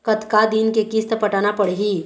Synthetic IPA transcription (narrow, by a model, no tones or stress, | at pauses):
kət̪kad̪inkekist̪əpəʈaːnapəɽɦi